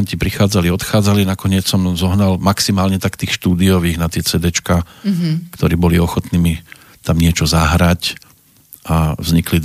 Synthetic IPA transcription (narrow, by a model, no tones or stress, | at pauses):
ɲcipɾixaːd͡zaliɔt̪xaːd͡zalinakɔɲɪɛt͡ssɔmzɔɦnalmaksimaːlɲɛt̪akt̪iːxʃt̪uːd̪iɔʋiːɣnat̪ɪɛt͡sɛːd̪ɛt͡ʃkaːkt̪ɔɾiːbɔliɔxɔt̪niːmi | t̪amɲɪɛt͡ʃɔzaɦɾac | avzɲikli